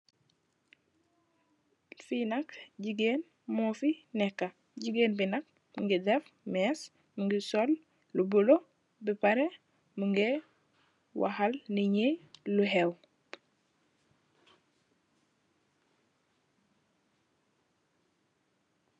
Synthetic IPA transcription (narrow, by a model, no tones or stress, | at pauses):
finakɟiɡeːn | mofinɛkːa | ɟiɡeːnbinak̚ | muŋɡidefmes | muŋɡisol | lubolo | bipaɾe | muŋɡe | wa̰ɦalniɲeluɦew